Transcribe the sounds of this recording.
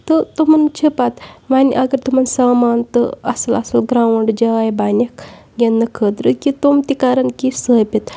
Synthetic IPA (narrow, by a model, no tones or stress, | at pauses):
t̪ɨt̪umɐnt͡ʃʰəpat̪ʋaniʔɐɡɐɾt̪umɐnsaːmaːnt̪ɨ̰ɐ̰sɐlɐsɐlɡɾãːʋɐɳɖd͡ʒɐaːjbanʲɐkɡʲenːɨkʰəːd̪ɾɨkit̪omt̪ikaːɾɐnkisəːbʲit̪